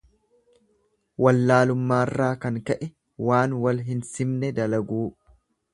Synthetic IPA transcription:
wɐlːaːlʊmːaːrːaːkɐŋkɐʔɛ | waːnwɐlɦɪnsɪmnɛd̪ɐlɐɡuː

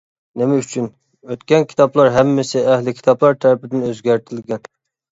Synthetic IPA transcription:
nɪmɛyt͡ʃʰyn | øt̪kʲɛnkʲʰi̥t̪ʰɑplˠɑɾɦɛmːɪsɪæhlɪkʲʰi̥t̪ʰɑplˠɑɾt̪ʰæɾɪpɪd̪ɪnøzɡʲæɾt̪ʰɪlɡʲɛn

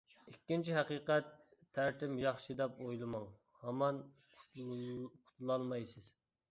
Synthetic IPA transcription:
ikʲːint͡ʃʰiɦɑqiːqɛt̪ʰːæɾt̪ɪmjɑχʃɨd̪ɛpojlˠɨmɑŋ | hɑmɑn | qʰʊ̥t̪ʰlˠɑlˠmɑjsɨz̥

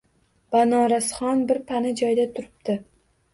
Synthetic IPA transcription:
b̥anɒɾasχɒnbɪɾpʰanɪd͡ʒɒjd̪at̪ʰʊɾɪp̚t̪ɪ

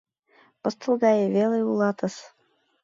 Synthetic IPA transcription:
pɤ̆st̪ɤ̆lˠɡɑjeβelɤ̆julˠɑt̪ə̆s

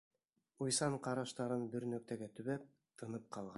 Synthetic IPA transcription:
ujsɑɴqɑɾɑʃt̪ɑɾɤnbɵ̆ɾnɵ̆k̚t̪æɡæt̪ɵ̆βæp̚ | t̪ʰɤ̆nɤp̚qɑlˠʁɑ

